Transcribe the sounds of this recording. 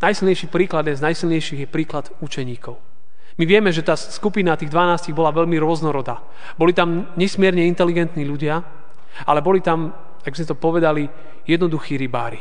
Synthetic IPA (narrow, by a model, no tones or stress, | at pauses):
najsilɲɛjʃiːpɾiːklad̪ɲɛnznajsilɲɛjʃiɣjɛpɾiːklad̪ut͡ʃɛɲiːkɔʊ | miʋɪɛmɛʒɛt̪aːskupinat̪iːɣd̪ʋanaːsciɣbɔlaʋɛʎmiɾʊɔznɔɾɔd̪aː | bɔlit̪amɲɛsmɪɛɾɲɛint̪ɛliɡɛnt̪niːʎuɟɪa | alɛbɔlit̪am | aɡ̚bizmɛt̪ɔpɔʋɛd̪ali | jɛd̪nɔd̪uxiːɾibaːɾi